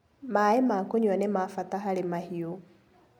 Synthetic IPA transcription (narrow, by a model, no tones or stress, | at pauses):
maemakoɲwanemafataɦaɾemahio